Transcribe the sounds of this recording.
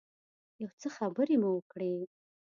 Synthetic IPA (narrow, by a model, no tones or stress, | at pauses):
jawt͡səxabəɾemuwəkɽe